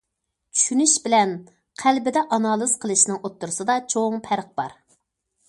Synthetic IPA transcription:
t͡ʃʰy̥ʃynyʃbɪlɛn | qʰælbɪd̪ɛʔɑnɑːlˠɨzqʰəlˠɨʃnɨŋot̪ːuɾɨsɨd̪ɑt͡ʃʰoŋpʰæɾq̚bɑ̰ɾ

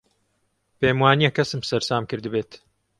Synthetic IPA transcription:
peːmwaːnijɛkːɐsɨmsɐɾsaːmkɨɾd̪ɨbeːt̪

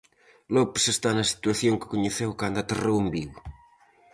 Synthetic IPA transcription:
lɔpsest̪anɐsi̥t̪waθjoŋkɪ̥koɲeθewkand̪at̪erewembiw

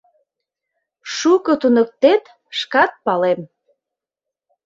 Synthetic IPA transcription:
ʃukɤ̆t̪unə̆k̚t̪et̪ | ʃkɑt̪̚pɑlem

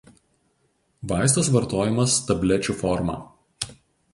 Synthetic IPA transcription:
ʋɑˑɪst̪osʋɐɾt̪oːjɪmɐst̪ɐbʲlʲɛt͡ʃʲufɔɾmɑ̰ː

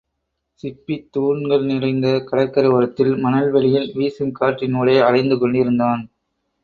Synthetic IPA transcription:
sɪpːit̪ːuːɳɡɐɭnɪrɐɪnd̪ɐkɐɽɐkːɐɾɐʋɐɾɐt̪ːɪlmɐnɐlʋɛɭɪjɪlʋiːsɯŋkaːʈrɪnuːɭeːɐrɐɪnd̪ɯkɔɳɖɪɾɯnd̪aːn

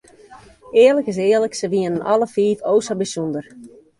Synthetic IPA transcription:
ɪːələkɪs̬ɪələksəʋiənənʔɑləfiːfoːsɔbisundər

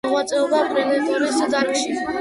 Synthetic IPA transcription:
ʁat̪sʼɛɔbapʼɾɛnɛt̪ʼuɾisaɾkʃi

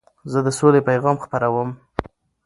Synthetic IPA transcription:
zəd̪əsolepajɣɑmxpəɾawəm

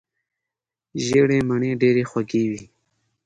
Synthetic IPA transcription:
ʒeɽemaɳeɖeɾexwaɡewi

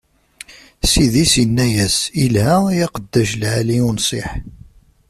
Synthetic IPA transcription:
siðisjənːæjæsilhæjæqəd̪ːæʃlʕaliunsˤeħ

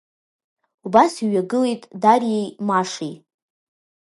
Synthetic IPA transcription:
ubasiɥaɡɨle̞jtʼdarejmaʂi

